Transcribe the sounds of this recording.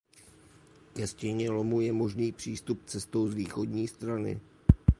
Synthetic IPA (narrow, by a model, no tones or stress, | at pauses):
kɛscɛɲɛlomujɛmo̞ʒniːpr̝̥iːst̪up̚t͡sɛst̪o̞wzviːxo̞dɲiːst̪ɾanɪ̰